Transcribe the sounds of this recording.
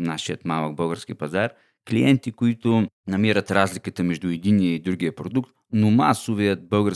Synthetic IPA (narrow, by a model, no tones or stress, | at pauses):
naʃijət̪malˠək̚bɤɡəɾsk̟ipɐzaɾ | klijɛnt̪ikoit̪ʊ | nɐmiɾət̪ɾazlikət̪əmɛʒd̪uɛd̪inːijəid̪ɾuɡijəpɾod̪ukt̪ | nomasovijət̪̚bɤlˠɡə